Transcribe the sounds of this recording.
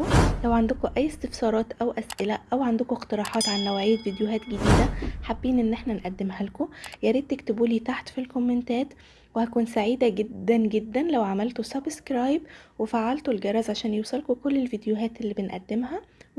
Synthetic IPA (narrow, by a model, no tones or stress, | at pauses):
læwʕand̪ʊkoʔæjːest̪efsɑːɾˤɑːt̪ʔæwʔæsʔɪlæʔæwʕand̪ʊkoeqt̪eɾˤɑːħɑːt̪ʕanlæwʕiːd̪vid̪joɦæːt̪ɡed̪iːd̪æħabːiːnʔenːʔeħnænʔæd̪ːemhælkojæɾiːt̪ːækt̪ebuːliːt̪aħt̪filkomːent̪æːt̪ | wehækuːnsaʕiːd̪æɡed̪ːænɡed̪ːænlæwʕamælt̪osæbskɾɑːjbwefaʕːalt̪olɡɑɾˤɑːzʕaʃæːnjewsˤɑlkokolːelvid̪joɦæːt̪ʔelːiːbenʔæ̰d̪ːemhæ